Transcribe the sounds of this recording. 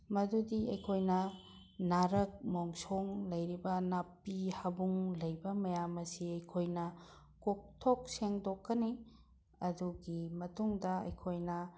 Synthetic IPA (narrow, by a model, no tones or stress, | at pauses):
mɐdudiɐ̰jkʰojnɐ | naɾɐk̚moŋsoŋlɐjɾibɐnapːihɐbuŋlɐjbɐmɐjamɐsiɐjkʰojnɐ | kok̚tʰok̚seŋdokːɐni | ɐduɡimɐtuŋdɐɐ̰jkʰojnɐ